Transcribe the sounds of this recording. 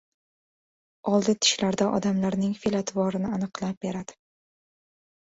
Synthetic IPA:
ɒlˠd̪ɪt̪ʰɪ̥ʃlaɾd̪aʔɒ̰d̪amlaɾnɪŋfilat̪ʰvɒɾɪnɪanɨqlˠap̚be̞ɾad̪̥ɪ̥

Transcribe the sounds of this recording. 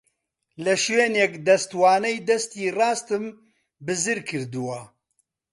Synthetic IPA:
lɐʃweːnekd̪ɐst̪wɑːnɛjd̪ɐst̪iːrɑːst̪ɨm | bɨzɨɾkʰɨɾd̪ɨwɐ

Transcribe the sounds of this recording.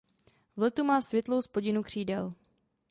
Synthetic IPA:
vlɛt̪umaːsvʲjɛt̪lo̞wspo̞ɟɪnukr̝̥iːdɛl

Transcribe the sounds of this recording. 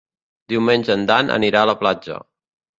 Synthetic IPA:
d̪iwmenʲʒənd̪anʔə̰niɾaələplad͡ʒə̰

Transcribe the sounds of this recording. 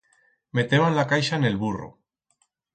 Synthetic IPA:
me̞t̪eβanlakajʃaene̞lβuro̰

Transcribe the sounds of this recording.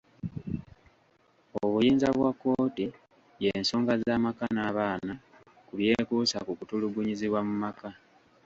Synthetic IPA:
oβujiːnzaβwakːo̞ːti | je̞ːnso̞ːŋɡazaːmakanaːβaːna | kuβje̞kusa̰kukutuluɡuɲiziβwamumaka

